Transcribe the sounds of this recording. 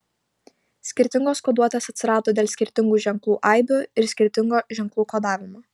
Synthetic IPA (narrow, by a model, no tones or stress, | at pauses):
sʲkʲɪɾʲt̪ʲɪŋɡoːskod̪uɔt̪ʲeːsɐt̪ʲsʲɪɾɑːd̪oːd̪ʲeːlʲˠsʲkʲɪɾʲt̪ʲɪŋɡuːʒʲɛŋklˠuːʔaɪbʲʊɪɾsʲkʲɪɾʲt̪ʲɪŋɡoːʒʲɛŋklˠuːkoːd̪ɑːʋʲɪmoː